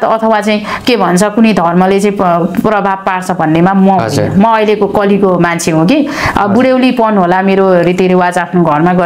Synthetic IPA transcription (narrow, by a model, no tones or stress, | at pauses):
t̪ʌʌt̪ʰʌwat͡saĩkebʱʌnt͡sʰʌkunʌjd̪ʱʌrmʌlet͡saĩprʌbʱab̚paɽt͡sʰʌbʱʌnːemamʌɦo̰nʌmʌʌjlekokʌlikomant͡sʰeɦõki | ʌ̰buɽewlipʌnɦolameɾoɾit̪iɾewad͡zapʰnoɡʱʌrmaɡʌ